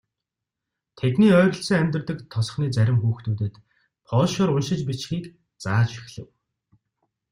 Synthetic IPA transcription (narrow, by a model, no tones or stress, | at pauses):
t̪ʰet̪niːœːɾ̆ʲɬt͡sɘ̆ŋæmʲt̪rt̪ɘ̆kt̪ʰːɔsχniːt͡sæɾʲɪ̆mxuːxt̪uːt̪ɘ̆t̪ | pʰɔːʃʊːɾʊnʃɪ̆t͡ɕpit͡ɕxiːk | t͡saːt͡ɕxi̥xɮɘ̆w